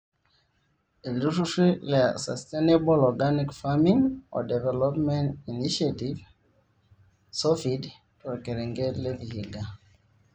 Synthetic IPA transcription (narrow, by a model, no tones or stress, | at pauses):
iluʃuʃilɛsa̰stẽnebɔlɔɡanikfamĩŋɔ̰dɛvɛlɔpmɛ̃ntiniʃativ | sɔfid | tɔkɛɾɛ̃ŋɡɛlevihiɡa